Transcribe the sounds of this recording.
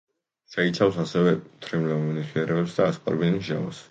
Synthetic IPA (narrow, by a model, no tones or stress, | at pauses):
ʃɛit̪sʰafsasɛvɛmt̪ʰɾimlɛmɔnisʰliɛɾɛbɛpsd̪aːsqʼa̰ɾbinisʒa̰va̰s